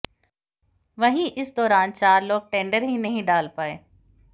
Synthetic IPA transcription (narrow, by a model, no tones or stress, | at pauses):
ʋɐɦĩʔɪsd̪ɔːɾaːnt͡ɕaːɾloːk̚ʈẽːɳɖəɾɦĩnɐɦĩɗaːlpaːeː